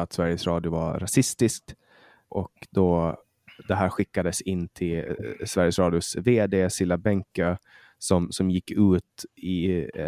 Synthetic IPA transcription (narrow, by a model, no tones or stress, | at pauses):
at̪svæɾjəsɾɑːd̪jʊva̰ɾasɪst̪ɪsk̚t̪ | ʔɔkd̪ɔ | d̪ɛɦæːɾɧɪkːad̪əsɪnːt̪ʰɪlsvæɾjəsɾɑːd̪jʊsveːd̪eːsɪlːabɛŋkø | sɔmsɔmjɪkːʉ̟ːt̪ɪ